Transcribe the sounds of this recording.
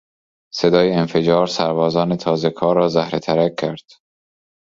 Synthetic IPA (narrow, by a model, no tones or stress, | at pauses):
se̞d̪ɒːjeenfe̞d͡ʒɒːɾsæɾbɒːzɒːne̞t̪ʰɒːze̞kʰɒːɾːɒːzæhɾet̪ʰæɾæk̚ʰːæɾd̪̥